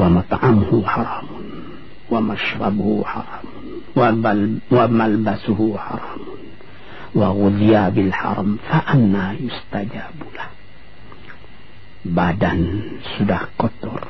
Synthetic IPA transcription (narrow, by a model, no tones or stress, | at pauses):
wamɑt̪ˤʕɑmhuħɑɾˤɑːmʊn | wamaʃɾˤɑbhuħɑ̰ɾˤɑːmʊn | wawamalbasuhuħɑ̰ɾˤɑːmʊn | waɣʊljabɪlħɑ̰ɾˤɑmfaʔanːahjʊst̪ad͡ʒaːbulah | badansudahkɔt̪ʊr